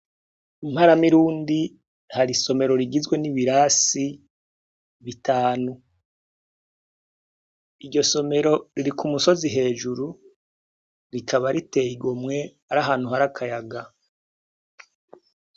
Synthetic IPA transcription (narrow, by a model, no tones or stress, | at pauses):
im̥haɾamiɾuːndi | haɾiso̞me̞ɾo̞ɾiɡizɡwe̞niβiɾasi | βitaːnu | iɾɟo̞so̞me̞ɾo̞ɾiɾikʰumuso̞ziɦe̞ːd͡ʒuɾu | ɾikʰaβaɾite̞ːjiɡomŋe̞ | aɾaɦaːn̥uɦaɾakʰajaɡa